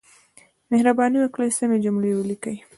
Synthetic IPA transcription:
mehɾabɑniwaklajsamed͡ʒʊmɽewəlikəj

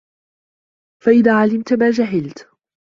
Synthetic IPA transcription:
faʔɪðaːʕalɪmt̪maːd͡ʒaɦɪlt̪

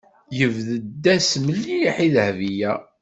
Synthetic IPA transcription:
jəvðəd̪ːæsməlːijħiðəhvijæ

